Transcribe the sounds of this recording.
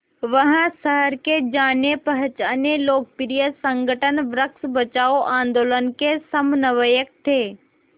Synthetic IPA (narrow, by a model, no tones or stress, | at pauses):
ʋəɦə̃səɦəɾked͡ʒaːnepɐɦt͡ʃaːneloːk̚pɪɾijəsə̃ŋɡʱəʈənʋɾəksbət͡ʃaːoʔãːnd̪oːlənkesɐmnəʋəjək̚t̪ʰːeː